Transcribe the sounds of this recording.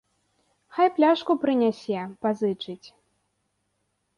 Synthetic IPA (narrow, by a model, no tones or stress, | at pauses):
xajplʲaʂkupɾɨnʲasʲɛpazɨt͡ʂɨt͡sʲ